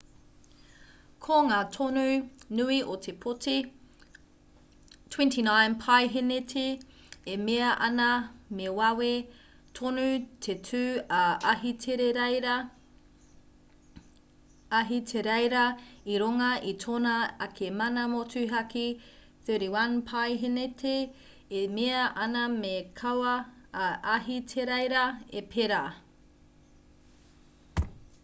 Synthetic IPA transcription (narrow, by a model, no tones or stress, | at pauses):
kʰoŋaːtʰonunʉiʔot̪ʰepʰoti | tʰwɛ̃ntʰinãjnpʰajɦenetʰi | emeɐʔɐnɐmewɐwe | tʰonutʰetʰʉːɐɦiteɾeɾ | ɐɦitʰeɾejɾɐiɾoŋɐʔitʰonɐɐkʰemɐnɐmotʉɦɐki | θøɾiwɐnpʰajɦenetʰeː | meɐʔɐnɐmekʰɐwɐʔɐɦitʰeɾejɾɐepʰeɾa